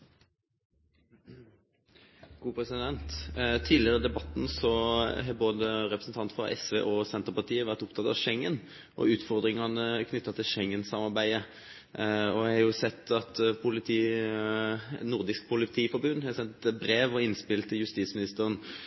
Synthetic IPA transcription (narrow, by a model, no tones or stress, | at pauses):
ɡ̥ʰuːpʰɾɛsɪd̪ɛnt̪t̪ʰiːlɪəʁəd̪ɛbɑt̪nsɔɦɛboːd̪əɾɛpɾəsnt̪ʰɑnt̪fɑ̰ʔɛ̰sʋḛːʔɔsɛnt̪əʁpɑt̪ʰiːəʋæʁt̪ʊpt̪ʰɑt̪ɑ̰ʋʃɛŋːən | ʔɔ̰ʉːt̪fɔʁd̪ɾɪŋɑnəkʰnʏt̪ːɑt̪ʰɪlʃɛŋːənsɑmɑɾbæɪə | ɔæɪhɑjʊsɛt̪ːɑt̪pʰʊlɪt̪ʰiː | nʊʁd̪ɪsk̚pʰʊlɪt̪ʰiːfɔɾbʉnhɛsɛnt̪bɾeːʋɔɪnspɪlt̪ʰːɪljʉst̪iːt̪smɪnɪst̪əɾən